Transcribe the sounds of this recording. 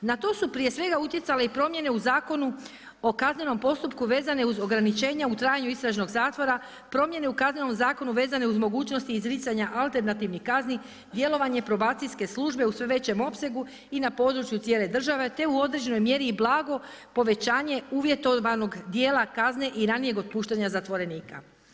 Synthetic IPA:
nat̪o̞ːsupɾije̞sʋe̞ɡaut̪je̞t̪sale̞ipɾo̞mje̞ne̞uzaːko̞nu | o̞kazneno̞mpo̞st̪upkuʋe̞ːzane̞uzo̞ɡɾanit͡ʃe̞ːɲaut̪ɾaːjaɲuist̪ɾaʒno̞ɡzaːt̪ʋo̞ɾa | pɾo̞mje̞ne̞ukazne̞no̞mzaːko̞nuʋe̞ːzane̞uzmo̞ɡuːt͡ɕnost̪iizɾiːt̪saɲaʔalˠt̪e̞ɾnat̪iʋnihkazni | d̪je̞lo̞ʋaɲe̞pɾo̞baːt̪sijske̞slˠuʒbe̞usʋe̞ʋe̞t͡ɕe̞mo̞pse̞ɡu | inapo̞d̪ɾut͡ʃjut̪sje̞ːle̞d̪r̩ʒaʋe̞t̪e̞uo̞d̪ɾe̞d͡ʑe̞no̞jmje̞ɾiːblˠaːɡo̞po̞ʋe̞t͡ɕaːɲe̞uːʋje̞t̪oʋano̞ɡd̪jeːlˠakazne̞ʔiɾanije̞ɡo̞d̪̚puːʃt̪aɲazat̪ʋo̞ɾe̞niːka̰

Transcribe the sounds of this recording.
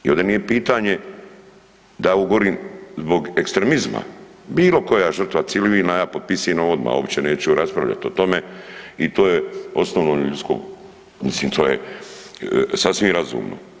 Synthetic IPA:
iond̪enijepiːt̪aːɲe̞ | d̪auɡoɾiːmzbo̞ɡe̞kst̪ɾemizma̰ | biːlo̞ko̞jaʒər̩t̪ʋat̪siliʋilnajaːpot̪̚pisienoo̞d̪ma̰ːobpt͡ɕeneːt͡ɕɛuɾaspɾa̰ʋʎa̰t̪io̞t̪o̞meit̪oːjeo̞snoʋnoʎut̪ko̰ | misliːmt̪ʰo̞ːjḛ | sasʋimɾazṵːmno̰

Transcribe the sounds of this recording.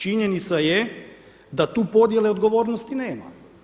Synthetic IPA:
t͡ʃiɲenit̪saje | d̪at̪uːpo̞d̪je̞leo̞d̪ɡo̞ʋo̞ːɾnost̪ineːma̰

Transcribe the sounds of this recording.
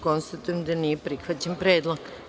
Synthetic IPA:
ko̞nst̪at̪ujemd̪anijepɾixʋat͡ɕampɾeːd̪lˠoɡ̥

